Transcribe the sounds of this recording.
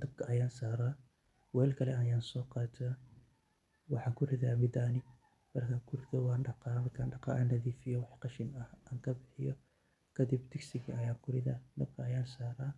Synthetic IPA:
d̪̥ɐb̥̚kʰɐʔɐjaːnsaːɾaː | wɛːlkʰɐlɛɐjaːnsɔːqɑːt̪ʰaː | wɑħɑːŋkʰʊrɪðaːmɪd̪aːnɪ | mɐrkʰaːŋkʰʊrɪðɐwɑːnɖɑqɑːmɐrkʰaːnɖɑqɑ̰ːʔɐnːɐðiːfɪjɔwɑħqɑʃɪnɐhaːŋkʰɐbɪħɪjɔ | kʰɐd̪ɪbd̪ɪɡsɪɣiʔɐjaːŋkʰʊrɪða̰ːd̪ɐb̚kʰɐɐjaːnsaːɾaː

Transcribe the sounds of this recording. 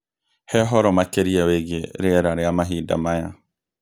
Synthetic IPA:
hɛɦɔɾɔmakeɾiaweɣeɾeɾaɾeamaɦiːda̰maja

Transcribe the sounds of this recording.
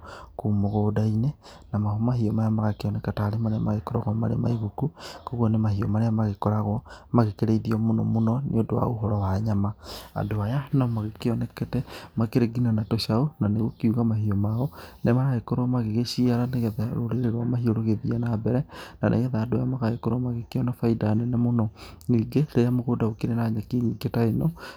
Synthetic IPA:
kumoɣodaine | namahomaɦiɔmajamaɣakeɔnɛkataːɾemaɾeamaɣekoɾɔ̰ɣɔma̰ɾḛma̰iɣukukoɣwɔnemahiɔmaɾeamaɣekɔɾaɣɔmaɣekeɾeiðiɔmonomonɔneodowa̰oɦɔɾɔwaɲamaa̰ndoajanamaɣekeɔnɛkɛtɛmakeɾeɡinanatoʃaonaneɣokiuɣamahiomaɔnemaɾaekoɾɔmaɣeɣeʃiaɾaneɣɛðaɾo̰ɾeɾeɾwamaɦioɾoɣeβiɛnabɛɾɛnanʔḛɣɛðaandajamaɣaekoɾomaɣekeɔnafaidanɛnemonɔ | ŋiːɡeɾejamoɣodaɣokiɾenaɲakeɲiːɡetaenɔ

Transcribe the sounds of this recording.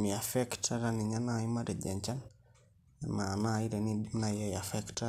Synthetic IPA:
miafɛktʰaɾaniɲanaimaɾɛd͡ʒɛ̰ɲt͡ʃan | ɛmanaiɾɛnidinajajafɛkta

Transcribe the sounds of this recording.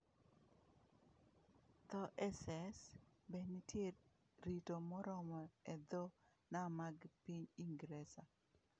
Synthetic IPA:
t̪ɔʔɛsɛsbɛnitjeɾ | ɾitomɔɾɔmɔɛd̪ɔ | namaɡpiɲiŋɡɾɛsa

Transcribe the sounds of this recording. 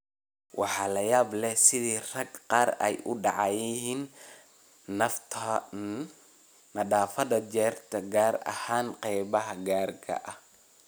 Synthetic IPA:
wʔɑ̰ħɑːlɐjaːblɛhsɪðiːrɐɡqɑːɾɛ̰jʔʊɖɑʕɑjɪɦiːnː | ɐft̪ʰɐ | nɐɗaːfɐðɐd͡ʒɛːrt̪ʰɐɡaːrɐ̰haːnqɛjβɐɦɐɡaːrkʰɐ̰ʔɐh

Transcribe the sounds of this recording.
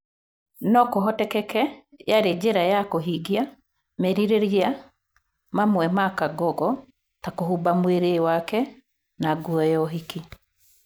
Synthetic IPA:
nɔkoɦɔtɛkɛkɛjaɾed͡ʒeɾajakoɦiɡia | meɾiɾeɾia | mamwɛmakaɡɔɡɔ | takoɦubamweɾewakɛ | naɡwɔjɔɦiki

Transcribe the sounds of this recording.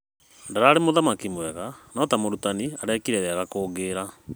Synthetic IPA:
ndaɾaːɾemoðamakimwɛɣanɔtamoɾutaniaɾɛkiɾɛɾaɣakoːɡeːɾa

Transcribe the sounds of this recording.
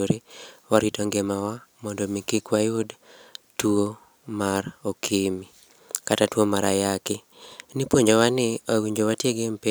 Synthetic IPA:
oɾewaɾitɔŋɡemawamɔndɔmikikwajʊdtuo | marokʰimi | katatwomaɾajakɪ | nipwoɲd͡ʒowanɪawiɲd͡ʒowatjeɡempe

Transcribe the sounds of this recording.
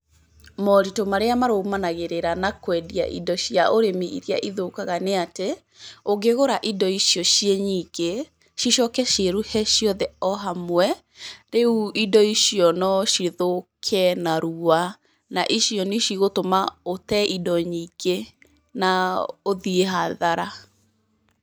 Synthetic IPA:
mɔɾitomaɾeamaɾomanaɣeɾeɾanakwɛdia̰ʔḭdɔʃiaʔoɾemiʔḭɾiaʔiðokaɣaneate | oɡeɣoɾaʔidɔiʃjɔʃieɲike | ʃiʃɔkɛʃeɾuhɛʃjɔðɛɔɦamwɛ | ɾeuidɔiʃiɔnɔʃiðokʰɛnaɾua | naʔiʃjɔniʃiɣotomaotɛʔidɔɲike | naoðieɦaðaɾa

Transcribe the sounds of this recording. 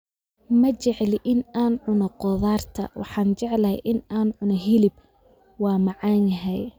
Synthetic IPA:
mɐt͡ʃɛʕlʔɪnaːnʕʊnɔqɔðaːrt̪ʰɐ̰wʔɑ̰ħɑːnt͡ʃɛʕlɐhɛjʔɪnaːnʕʊnɔɦɪlɪb̚ | wɑːmɑʕɑːnjɐɦɛj

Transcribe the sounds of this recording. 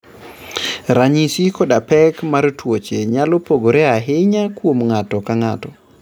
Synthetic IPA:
ɾaɲisikɔdapɛkmaɾtwot͡ʃeɲalɔpoɡoɾɛaɦɪɲakwomŋatɔkaŋatɔ

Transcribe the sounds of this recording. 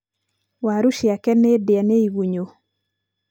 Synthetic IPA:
waɾuʃjakɛnedɪaneiwuɲo

